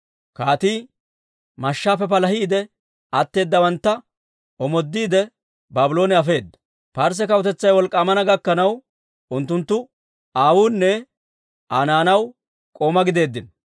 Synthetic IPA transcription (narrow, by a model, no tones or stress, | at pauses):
kaːt̪iː | mɐʃːaːpɛp̬ɐlɐhiːd̪ɛ | ɐt̪ːe̞ːd̪ːɐwɐnt̪ːɐ | ɔmɔd̪ːiːd̪ɛ | baːbɪlo̞ːnɛɐfe̞ːd̪ːɐ̥ | pɐɾs̬ɛkɐwt̪ɛt͡sːɐjwɔlkʼːaːmɐnɐɡɐkːɐnɐw | ʊnt̪ːʊnt̪ːʊ | aːwuːnːɛ | ʔaːnaːnɐw | kʼoːmɐɡɪd̪e̞ːd̪ːɪn